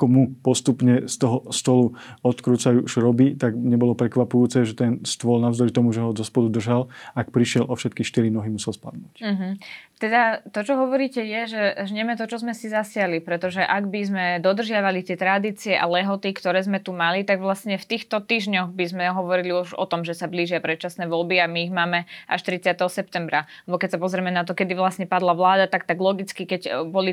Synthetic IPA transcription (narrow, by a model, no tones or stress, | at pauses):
kɔmupɔst̪upɲɛst̪ɔɦɔst̪ɔluɔt̪kɾuːt͡sajuʃɾɔbit̪aɡɲɛbɔlɔpɾɛkʋapujuːt͡sɛʒɛt̪ɛnst̪ʊɔlnaʊzd̪ɔɾit̪ɔmuʒɛɦɔzɔspɔd̪ud̪r̩ʒalak̚pɾiʃɪɛlʔɔfʃɛt̪kiʃt̪iɾinɔɦimusɛlspa̰d̪nuːcm̩ɦm̩t̪ɛd̪at̪ɔt͡ʃɔɦɔʋɔɾiːcɛjɛʒɛʒɲɛmɛt̪ɔt͡ʃɔzmɛsizasɪalipɾɛt̪ɔʒɛʔaɡbizmɛd̪ɔd̪r̩ʒɪaʋalit̪ɪɛt̪ɾad̪iːt͡siɛʔa̰lɛɦɔt̪ikt̪ɔɾɛːzmɛt̪umalit̪aɡʋlasɲɛft̪iːxt̪ɔt̪iːʒɲɔɣbizmɛɦɔʋɔɾiliuʒɔ̰t̪ɔmʒɛsabliːʒɪapɾɛt̪̚t͡ʃasnɛːʋɔlbiamiːɣmaːmɛʔa̰ʃt̪ɾit͡sɪat̪ɛɦɔsɛp̚t̪ɛmbɾalɛbɔkɛc̚ʲsapɔzɾɛmɛnat̪ɔkɛd̪iʋlasɲɛpad̪laʋlaːd̪at̪ak̚t̪aɡlɔɡit͡skikɛcbɔli